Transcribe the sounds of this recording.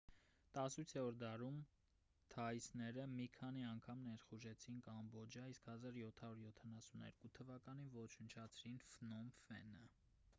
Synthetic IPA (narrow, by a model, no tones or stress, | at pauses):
t̪ɑsujt͡sʰɛɔɾd̪ɑɾum | t̪ʰɑisnɛɾəmikʰɑniɑŋkʰɑmnɛɾχuʒɛt͡sʰinkɑmbɔd͡ʒɑiskhɑzɑɾjɔt̪ʰɑɾuɾjɔt̪ʰɑnɑsunɛ̰ɾkut̪ʰəvɑkɑnivɔt͡ʃʰənt͡ʃʰɑt͡sʰɾinfnɔmfɛ̰nə